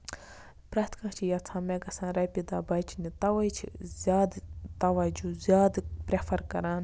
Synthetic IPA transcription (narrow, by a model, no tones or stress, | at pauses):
pɾaːt̪kãːt͡ʃʰijɐt͡sʰãːmẽɡɐsãːɾɐjpid̪aːbɐt͡ʃʰnit̪ɐʋɐjt͡ʃʰzaːd̪t̪ɐʋɐd͡ʒuzʲjaːd̪pɾʲepʰɐɾkɐɾaːn